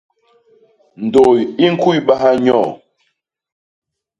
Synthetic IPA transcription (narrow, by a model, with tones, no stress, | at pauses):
n̩˨do˨ji˦ŋ̩˦ku˦i˦˨ɓa˦ha˦ɲɔ̰˦˨